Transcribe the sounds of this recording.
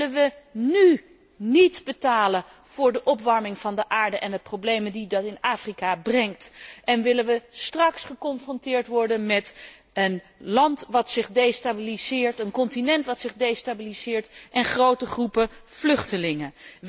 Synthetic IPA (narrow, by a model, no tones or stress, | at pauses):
ənʋəny | nitbətaːlə | v̥ʊːɹdəʔɔpʋɑɹmɪŋv̥ɑndəʔaːɹdəʔɛndəprowblejməndidɑtɪnaːfrikabrɛŋktʔɛnʋɪlənʋəstrɑksχəkɔnfrɔntɪːɹtʋɔɹdənmɛt | ən | lɑntʋɑtsɪχdejstabilizɪːɹtənkɔntinɛntʋɑtsɪχdejstabilizɪːɹtʔɛnχrowtəχrupəv̥lɵχtəlɪŋə